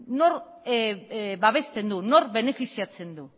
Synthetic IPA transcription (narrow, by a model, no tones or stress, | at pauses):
no̞ɾ | βaβ̞e̞st̪e̞nd̪uno̞rβe̞ne̞fisiat͡se̞nd̪u